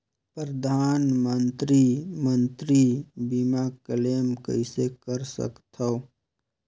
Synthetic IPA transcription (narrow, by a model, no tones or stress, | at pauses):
pɾəd̪ʱaːnmənt̪ɾimənt̪ɾibimakəleːmkə̰ɪsekəɾsə̰kt̪ʰə